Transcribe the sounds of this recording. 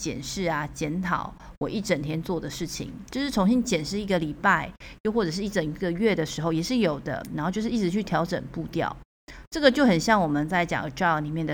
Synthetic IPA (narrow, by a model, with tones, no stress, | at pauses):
t͡ɕjɛ̰˨˩nʂɻ̩˥˩a˩t͡ɕjɛ˧˥nt̪ʰɑ̰˨˩˦ʊ | wɔ˨˩ʔi˥˩ʈ͡ʂə˨˩nt̪ʰjɛ˥nt͡swɔ˥˩d̪ə˩ʂɻ̩˥˩t͡ɕʰḭ˨˦ŋt͡ɕjo˥˧ʊʂɻ̩˥˩t͡sʰʊ˧˥ŋɕi˧˥ŋt͡ɕjɛ˨˩nʂɻ̩˥˩i˧˥ɡə˨li˨˩pa˥˩ɪjo˥˧xwɔ˥˩ʈ͡ʂɤ˨˩ʂ̬̩˥˩i˥˩ʈ͡ʂə˨˩ŋ˥ɡə˨ɥɛ˥˩d̪ə˩ʂɻ̩˧˥xo˥˧ʊjɛ˨˩ʂɻ̩˥˩jo˨˩ʊd̪ə̰˦na˨˧˥xo˥˧t͡ɕjo˥˧ʊʂ̩˥i˥˩ɻ̩˧t͡ɕʰy˥˩t̪ʰjɑ˧˥ʊʈ͡ʂə̰˨˩ŋpu˥˧t̪jɑ̰˥˨˩ʊ | ʈ͡ʂɤ˥˩ɡə˨˩t͡ɕjo˥˩ʊxə˨˩nɕjɑ˥˩ŋwɔ˨˩mə˨nt͡sa˥˩ɪt͡ɕjɑ̰˨˩ŋə̰˨˧˩ʈ͡ʂɑ˥˧˥ni˨˩mjɛ˥˩nd̪ə˨